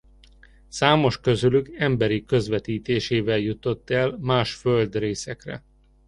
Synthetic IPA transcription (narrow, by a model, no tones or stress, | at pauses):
saːmo̞ʃkø̞zylyɡɛmbɛɾikø̞zʋɛt̪iːt̪eːʃeːvɛljut̪o̞t̪ːɛlmaːʃføld̪reːsɛkrɛ̰